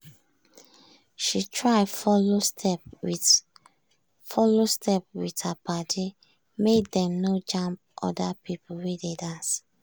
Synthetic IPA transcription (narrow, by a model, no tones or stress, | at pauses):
ʃitʰɹaɪfɔlostʰɛp | fɔlostʰɛp̚withəpatʰi | mek̚dɛ̃mnod͡ʒãmp̚ʔɔ̰dapʰipwededãns